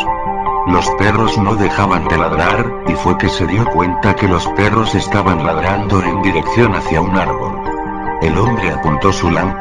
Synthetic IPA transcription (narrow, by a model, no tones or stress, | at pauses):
lo̞spe̞ro̞zno̞ðe̞xaβand̪elaðɾaɾ | ifwe̞ke̞se̞ðjo̞kwe̞nt̪ake̞lo̞spe̞ro̞se̞st̪aβanlaðɾand̪o̞e̞nd̪iɾe̞kθjo̞naθjaunaɾβo̞̰l | e̞lo̞mbɾe̞apunt̪o̞sulam